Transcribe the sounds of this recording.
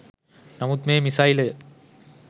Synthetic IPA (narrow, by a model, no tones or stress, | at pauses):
nɐmut̪meːmisaːjlɯ